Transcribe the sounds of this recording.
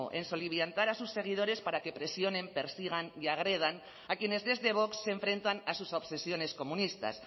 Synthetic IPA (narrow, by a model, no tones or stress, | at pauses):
oʔenso̞liβjant̪aɾasusːe̞ɣ̞ið̞o̞ɾe̞spaɾake̞pɾesjo̞ne̞mpe̞ɾsiɣ̞aniaɣ̞ɾe̞ð̞an | akjene̞zðe̞zðe̞β̞o̞ksːe̞ɱfɾe̞nt̪anasusoβsesjo̞ne̞sko̞munist̪a̰s